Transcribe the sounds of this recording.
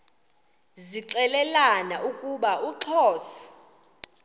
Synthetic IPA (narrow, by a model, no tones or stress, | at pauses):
ziǀɛlɛlanaʔukʼuɓaʔuǁʰɔːsḁ